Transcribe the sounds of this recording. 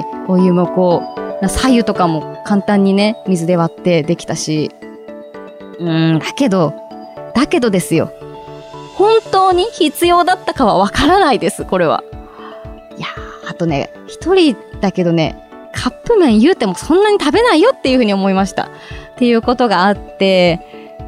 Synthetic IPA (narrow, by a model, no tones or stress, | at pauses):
ojɯ̟mo̞ko̞ːnasaiɯ̟t̪o̞kamo̞kãnt̪ãɲ̟ːine̞mʲizɨd̪e̞β̞at̪ːe̞d̪e̞kʲi̥t̪aɕi | ɯ̟̃d̪ake̞d̪o̞ | d̪̥ake̞d̪o̞d̪e̞sɨjo̞̰ | hõ̞nt̪o̞ːɲ̟içit͡sɨjo̞ːd̪at̪ːakaβ̞aβ̞akaɾanaid̪e̞sɨko̞ɾe̞βa̰ | jaːt̪ːo̞ne̞̰ | çi̥t̪o̞ɾʲid̪̥ake̞d̪o̞ne̞̰ | kʰapːɯ̟mẽ̞ɰ̃jɯ̟ːt̪e̞mo̞sõ̞nːaɲ̟it̪abe̞naijo̞t̪ːe̞jɯ̟ɸɯ̟ːɲ̟io̞mo̞imaɕi̥t̪a̰ | t̪ːe̞jɯ̟ːko̞t̪o̞ɡaːt̪ːe̞